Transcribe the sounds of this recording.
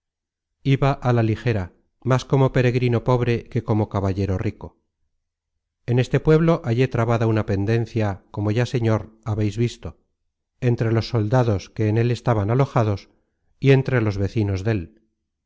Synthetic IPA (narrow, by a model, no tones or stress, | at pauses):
iβaʔalalixe̞ɾa | masko̞mo̞pe̞ɾe̞ɣɾino̞po̞βɾe̞ke̞ko̞mo̞kaβaʎe̞ɾo̞riko | e̞ne̞st̪e̞pwe̞β̞lo̞ʔaʎe̞t̪ɾaβaðaunape̞nd̪e̞nθjako̞moʝase̞ɲo̞ɾaβe̞jzβist̪o̞ | e̞nt̪ɾe̞lo̞sːo̞ld̪aðo̞ske̞ːne̞le̞st̪aβanalo̞xaðo̞s | ie̞nt̪ɾe̞lo̞zβe̞θino̞zðe̞l